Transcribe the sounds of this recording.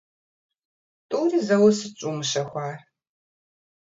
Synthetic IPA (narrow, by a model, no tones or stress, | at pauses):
tʼuːriːzɐwɐsɨt͡ʃʷʼuːmɨʃɐxʷɑːr